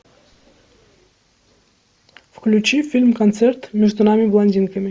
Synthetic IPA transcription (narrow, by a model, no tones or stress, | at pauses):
fklʲʉt͡ɕifʲilʲmkɐnt̪sert̪mʲeʐd̪unamʲɪvlˠɐnʲdʲinkəmʲɪ